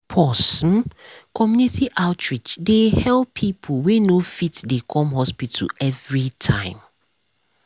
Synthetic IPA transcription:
pʰɔsm̩kʰɔmjunitʰiʔaʊtʰɹid͡ʒdehɛlpʰːipʰowenofitdekʰɔ̃mɦɔspitʰɛvɹitʰã̰ɪ̃m

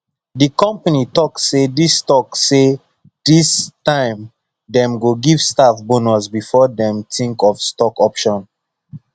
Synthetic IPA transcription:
dikɔ̃mpanitɔksedistɔkse | d̥istãɪ̃m | dɛ̃mɡoɡivstafbonɔsbifɔdɛ̃mtʰĩŋkɔfstɔkɔpʃɔ̃n

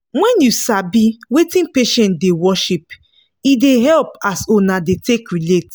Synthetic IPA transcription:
wɛ̃njusabiwetĩnpeʃɛ̃ndewɔʃip | ideɦɛlp̚asonadetekɹilet

